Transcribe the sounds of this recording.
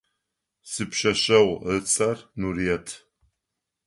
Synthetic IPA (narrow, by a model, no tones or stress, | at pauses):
sɨpʰʃɐʃɐwt͡sʼarnuriɛtʰ